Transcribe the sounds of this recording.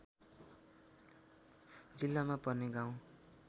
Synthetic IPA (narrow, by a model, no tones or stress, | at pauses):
d͡zilːamapʌneɡaw̃